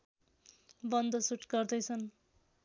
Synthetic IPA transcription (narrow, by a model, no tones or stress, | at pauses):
bʌnd̪ʌsuʈɡʌrd̪ʌjt͡sʰʌn